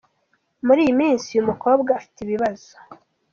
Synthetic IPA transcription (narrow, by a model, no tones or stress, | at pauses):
muɾiːjimiːnsijumuko̞ːbɡaːfi̥tiβiβaz̥o̥